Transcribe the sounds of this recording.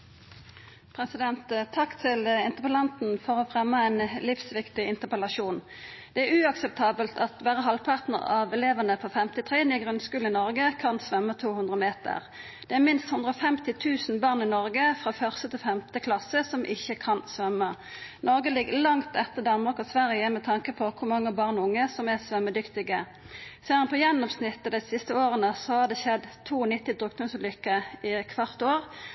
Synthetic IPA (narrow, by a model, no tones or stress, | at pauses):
pʰʁɛsɪd̪ɛnt̪t̪ʰːɑkt̪ʰɪlɪnt̪əpəlɑnt̪n̩fɔʁɔːfʁɛmːəɛɪnlɪfsʋɪkt̪ɪɪnt̪əpɛlɑʃuːn | d̪̥ɛæɾʉɑksɛp̚t̪ʰɑːbəlt̪ʰɑt̪ʋæːʁəɦɑlpʰɑʁt̪nə̰ʁɑʋɛleːʋənəpʰoːfɛmt̪ɪt̪ʰʁeːnɪɡʁʉnskʉːl̩ɪnɔʁɡəkʰɑnsʋœmːət̪ʰuːhʉnd̪ʁəmeːt̪ə̰ʁ | d̪̥ɛæːʁmɪnst̪hʉnd̪ʁəɔfɛmt̪ɪt̪ʰʉːsn̩bɑːʁnɪnɔʁɡəfʁɑːfœʁst̪ət̪ʰɪlfɛmt̪əkʰlɑsəsɔmʔɪçːəkʰɑnsʋœmə | nɔʁɡəlɪɡəlɑŋt̪ɛt̪ːəd̪ɑnmɑʁkɔsʋæʁjəmɛt̪ʰɑŋkəpʰɔkʰʊɾmɑŋːəbɑʁnʊŋːəsɔmæsʋœmːəd̪ʏkt̪ɪɡə | seːənpʰɔjɛnːɔmsnɪt̪ːəd̪ɛsɪst̪əoːʁənəsɔhɑd̪ɛʃɛd̪t̪ʰuːɔnɪt̪ːɪd̪ʁʉk̚d̪ɔmslʏkːəɪkʰʋɑʁt̪oːʁ